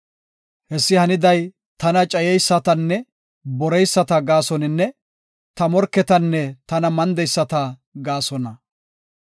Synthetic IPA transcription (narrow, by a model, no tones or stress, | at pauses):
hɛsːɪhɐnɪd̪ɐj | t̪ɐnɐt͡ʃʼɐjɛjsːɐt̪ɐnːɛ | bɔɾɛjsːɐt̪ɐɡaːsɔnɪnːɛ | t̪ɐmɔɾkːɛt̪ɐnːɛt̪ɐnɐmɐnd̪ɛjsːɐt̪ɐɡaːsɔnɐ